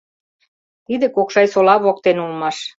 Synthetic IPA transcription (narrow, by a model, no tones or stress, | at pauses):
t̪id̪ĕkokʃɑjsolɑβok̚t̪enulmɑʃ